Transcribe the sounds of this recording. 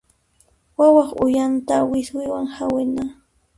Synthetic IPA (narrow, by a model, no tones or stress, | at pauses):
wawɑχʊjant̪awɪswɪjwaŋhawɪna